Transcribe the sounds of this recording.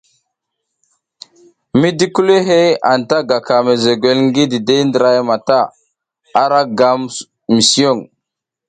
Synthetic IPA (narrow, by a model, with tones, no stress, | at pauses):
mi˦di˦ku˦le˦ɦe˦a˨nta˦ɡa˨ka˨me˨ze˨ɡe˨lŋ˦ɡi˦di˨de˦ndə˨ɾa˦jma˨ta˦˨ | a˦ɾa˦ɡa˨m | mi˨si˦o˦˨ŋ